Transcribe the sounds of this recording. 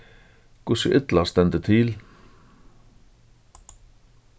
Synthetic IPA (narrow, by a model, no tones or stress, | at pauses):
kʰʊsəʔɪt̪last̪ɛnt̪ət̪ʰɪl